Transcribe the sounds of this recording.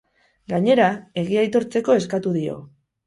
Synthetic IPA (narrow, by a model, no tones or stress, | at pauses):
ɡaɲe̞ɾae̞ɣ̞iajt̪o̞ɾt͡se̞ko̞e̞skat̪uðio̞̰